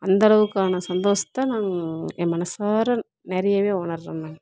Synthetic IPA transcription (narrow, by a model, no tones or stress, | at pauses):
ɐnd̪ɐɭɐʋɯkːaːnɐsɐnd̪oːsɐ̥t̪ːaːnaːŋemɐnɐsaːɾɐ | nɛɾɐjɐʋeːʊɳɐɾɾɐnːẽː